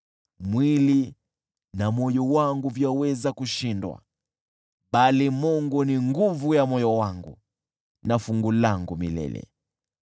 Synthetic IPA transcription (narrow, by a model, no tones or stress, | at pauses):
mwili | namɔjɔwaŋɡuvjawɛzakuʃindwa̰ | ɓalimɔŋɡɔniŋɡuvujamɔjɔwaŋɡu | nafuŋɡulaŋɡumilɛ̰lɛ̰